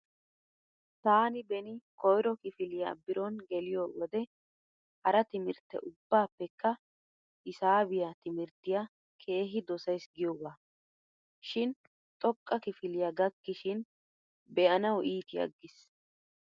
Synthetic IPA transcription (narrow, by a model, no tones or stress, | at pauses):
t̪aːnɪbɛnɪkɔjɾɔkɪfɪlɪja̰bɪɾɔnɡɛlɪjoːwɔd̪ɛ | hɐɾɐt̪ɪmɪɾt̪ːɛ̰ʔʊbːaːpːɛkːɐ | ʔɪsaːbɪjat̪ɪmɪɾt̪ːɪja | kʰe̞ːɦɪd̪ɔsɐjsɡɪjɔwaː | ʃɪn | t̪ʼɔkʼːɐkɪfɪlɪjaɡɐkːɪʃɪn | bɛʔɐnɐwʔiːt̪ɪɐ̰ɡːɪs